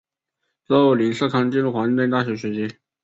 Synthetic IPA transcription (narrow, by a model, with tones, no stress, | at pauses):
t͡sɔ˧˥o˧˩li˨˥nsɤ˥˧kʰɑ˥ŋt͡ɕi˥˧nɻu˥˩xwa˧˥i˥˧t̪e˥˧nt̪a˥˩ɕɥɛ˧˥ɕɥɛ˧˥t͡ɕi˧˥